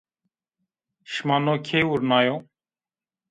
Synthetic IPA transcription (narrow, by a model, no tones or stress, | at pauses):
ʃmanokʰeuɾnajo